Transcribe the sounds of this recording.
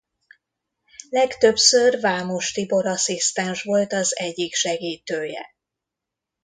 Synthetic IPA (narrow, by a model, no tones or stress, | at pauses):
lɛkt̪ø̞psørvaːmo̞ʃt̪ibo̞ɾɒsist̪ɛnʃʋo̞lt̪ɒzɛɟːikʃɛɡiːt̪øːjɛ̰